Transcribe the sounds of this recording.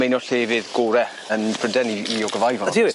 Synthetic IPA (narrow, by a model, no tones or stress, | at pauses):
mejnɔɬeːvɪðɡ̥oːɾɛ | ənpʰrədɛniiɔɡəvajvɔdi